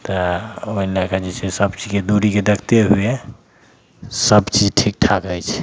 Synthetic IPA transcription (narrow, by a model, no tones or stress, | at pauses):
t̪ɔoilakad͡ʒet͡ʃʰesəbt͡ʃid͡ʒked̪uɾiked̪əkʰt̪eɦue | səbt͡ʃid͡ʒʈʰik̚ʈʰakəjt͡ʃʰɛ̥